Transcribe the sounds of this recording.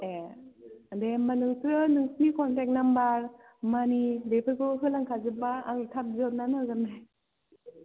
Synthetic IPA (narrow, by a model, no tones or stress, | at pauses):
e | demanɯŋtɾɯnɯŋsikɔntɛk̚nambaɾ | manidepʰɯɾkɔɦɯlaŋkʰazɯbaaŋtʰap̚zɯp̚nanazamnaj